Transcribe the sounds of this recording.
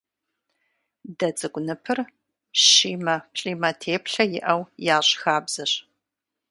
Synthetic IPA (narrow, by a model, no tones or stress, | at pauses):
dɐt͡sʼɨɡʷʊnɨpʰɨr | ɕiːmɐpɬʼiːmɐtʰeːpɬɐjɪ̰ʔɐwjaːɕʼxaːbz̥ɐɕ